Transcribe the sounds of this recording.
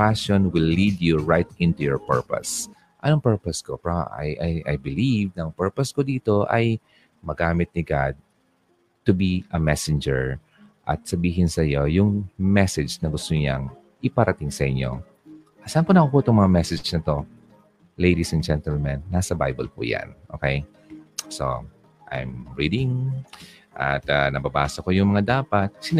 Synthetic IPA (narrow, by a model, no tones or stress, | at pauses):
paʃonwɪlːid̪juɹajt̪̚ɪ̃nt̪ujɔɹpɛɹpɐ̰s | ʔɐnoŋpɛɹpɐskopaʔɐ̰jʔɐjʔɐ̰jbɪlivnɐɐŋpɛɹpɐskod̪iːt̪o̞ʔɐ̰j | mɐɡaːmɪt̪̚nɪɡad̪̚ | t̪ʊbiʔɐmɛsɪnd͡ʒɛɹ | ʔɐ̰t̪̚sɐbiːɦɪnsɐjo̞jʊŋmɛsɛd͡ʒnɐɡʊst̪oɲaŋ | ʔɪpɐɾɐt̪ɪŋsɐʔɪɲo̞̰ | ʔsaːnpʊnɐkopot̪oŋmɐŋamɛsɛd͡ʒnɐt̪o̞ | lejd̪isɛndd͡ʒɛnt̪ɛlmɛnːasɐba̰jbɐlpʊ̰ja̰nʔo̰ːkɛj | so̰ | ʔa̰jmɹid̪ɪŋ | ʔɐ̰t̪ɐnɐbɐba̰ːsɐkojʊŋmɐŋad̪aːpɐt̪̚sɪ